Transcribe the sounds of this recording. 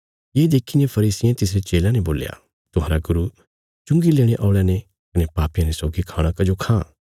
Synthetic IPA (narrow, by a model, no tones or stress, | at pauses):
jeːd̪eːkʰinẽpʰɐɾiːsɪjẽt̪ɪsɾet͡ʃeːlãneboːlja̰ | t̪ʊɦaːɾaɡʊɾu | t͡ʃʊ̃ŋɡileːɽ̃ẽʔaːɽjane | kɐnepaːpijãnesɔːɡikʰaːɽ̃ãkɐd͡ʒokʰãː